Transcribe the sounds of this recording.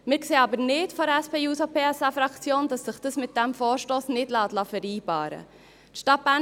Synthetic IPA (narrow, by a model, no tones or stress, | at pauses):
mɪːɾkseːɑbəɾnɪtfɔɾɛspeːuːsopʰeːɛsɑfɾɑkt͡sjoːnd̥ɑsːɪχd̥ɑsmɪt̚d̥æmfɔːɾʃtoːsnɪdlɑːtlɑfɛɾiːbɑ̰ːɾə̰ | tʃtɑt̚b̥æː